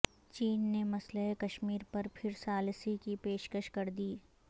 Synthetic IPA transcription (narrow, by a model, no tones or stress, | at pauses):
t͡ʃiːnːemɐsləɦekɐʃmiːɾpɐɾpʰɪɾsaːlsikipeːʃkəʃkɐɾd̪iː